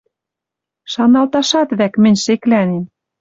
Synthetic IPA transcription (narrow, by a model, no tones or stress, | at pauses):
ʃɑnɑlt̪ɑʃɑt̪βækmɘ̆nʲʃeklænem